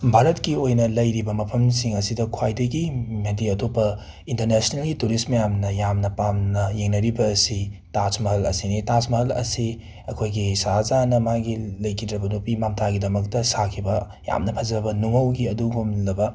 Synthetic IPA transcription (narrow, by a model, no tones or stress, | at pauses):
bʱaɾɐtkiojnɐlɐjɾibɐmɐpʰɐmsiŋɐsidɐkʰwajdɐɡimediɐtopːɐ | intɐɾnesinelɡituɾismɐjamnɐjamnɐpamnɐjeŋnɐɾibɐːsitasmɐɦɐlɐ̰sinitasmɐɦɐlɐ̰si | ɐkʰojɡisaɦazanɐmaɡilɐjkʰidɾɐbɐnupimamtʰaɡidɐmɐktɐsakʰibɐ | ja̰mnɐpʰɐzɐbɐnuŋɐwɡiɐduɡumlɐbɐ